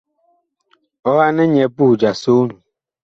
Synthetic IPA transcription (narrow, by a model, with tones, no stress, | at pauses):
ɔ˦a˦nɛ˦ɲɛ˨bu˦˨d͡ʒa˨so˦nũ˨